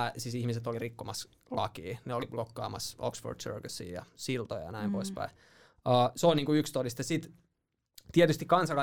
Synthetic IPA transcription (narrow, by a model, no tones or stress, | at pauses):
æsisihmiset̪olirikːomɑs | lɑ̰kiːneoliblokːɑ̰ːmɑso̰ksfo̰rd̥sø̰rkæsḭːjɑ̰silt̪o̰jɑ̰næimpoispæ̰i | əːseoˑlniːŋkuykst̪odist̪jɑsit̪ | t̪iet̪yst̪ikɑnsɑlɑ